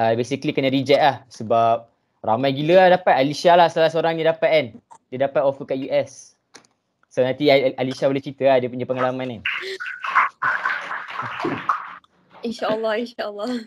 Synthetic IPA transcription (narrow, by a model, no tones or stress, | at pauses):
əbesiklikənə̃ɾid͡ʒɛʔlahsəbap̚ | ramajɡilədapat̪̚aliʃalahsəlalahsəoɾaŋjadapat̪̚andədapat̪ofəkaʔjuʔɛs | onãnt̪ialisabəlɪht͡ʃit̪əadəpuɲd͡ʒapəŋalamãnə | inʃaəlːɑhinʃaəlːɑ